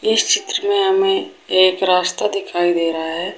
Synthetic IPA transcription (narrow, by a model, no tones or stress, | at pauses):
ɪst͡ʃɪt̪ɾəmẽɦɐmẽeːkɾaːst̪ad̪ɪkʰaːid̪eːɾəɦaɦɛː